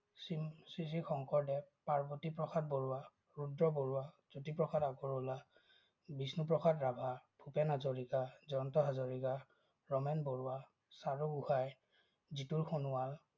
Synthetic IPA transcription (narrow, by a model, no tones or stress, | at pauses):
sisisixɔŋkɔɹdɛpaɹbɔtipɹɔxʰat̚boɹʊwa | ɹudɹɔboɹuwa | z̥otipɹɔxʰadaɡɔɹʊla | bisnup̬ɹɔxʰatɹabʱabʰʱupɛnazoɹikazɔntɔɦazoɹika | ɹɔmɛnbɔɹʊa | saɹuɡuhaj | zituɹxonʊwal